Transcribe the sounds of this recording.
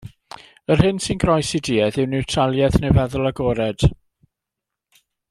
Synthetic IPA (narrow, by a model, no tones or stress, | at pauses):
ər̥hɪnsɪnɡɾɔjsidiːɛðɪwnɪwtʰralˠjɛθnɪvɛðʊlˠaɡɔːɾɛd̥